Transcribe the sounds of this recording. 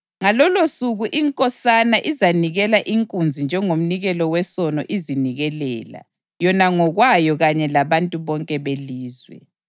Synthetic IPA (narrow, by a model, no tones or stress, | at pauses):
ŋalɔlosuɣuʔiŋkʼɔsanaʔizaniɣɛlaʔiŋkʼund͡zʱind͡ʒʱɛŋom̩niɣɛlɔwɛsɔnɔ̰ʔiziniɣɛlɛ̰ːla̰ | jɔnaŋɔɣwajɔɣaɲɛlaβantʼuβɔŋkʼɛβeliːzwɛ̰